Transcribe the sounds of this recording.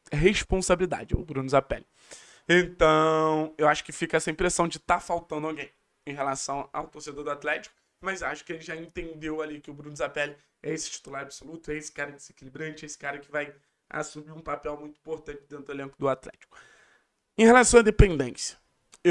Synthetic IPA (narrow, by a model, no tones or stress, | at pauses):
ɦespõsabilid̪a̰d͡ʒɪʊ̰bɾũnʊzapɛ̰lɪ | ẽnt̪ɐ̃w̃ewaʃʊ̥kɪfikɐɛsɐĩpɾesɐ̃w̃d͡ʒɪt̪afawt̪ɐ̃nd̪ʊawɡẽj̃ | ẽj̃ɦelasɐ̃w̃a̰wt̪oɾsed̪oɾd̪ʊat̪lɛt͡ʃi̥kʊ̥ | mɐzewaʃʊ̥kɪelɪʒaẽt̪ẽnd̪ewalikɪʊbɾũnʊzapɛlɪ | ɛesɪ̥t͡ʃi̥t̪ulaɾabsolut̪ʊɛesɪ̥kaɾɐd͡ʒ̪ɪzekilibɾɐ̃t͡ʃɪesɪ̥kaɾɐkɪvaj | a̰sũmiɾũpapɛwmũj̃t̪ʊĩpoɾt̪ɐ̃nt͡ʃɪd̪ẽt̪ɾd̪ʊelẽŋkʊd̪ʊat̪lɛ̰t͡ʃi̥kʊ̥ | ẽj̃ɦelasɐ̃w̃ɐd̪epẽnd̪ẽsiɐ̥ | e